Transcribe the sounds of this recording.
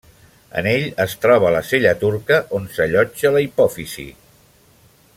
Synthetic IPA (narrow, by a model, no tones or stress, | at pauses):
ə̰neʎəst̪ɾɔβ̞ələseʎət̪uɾkəʔonsəʎɔd͡ʒələipɔfisḭ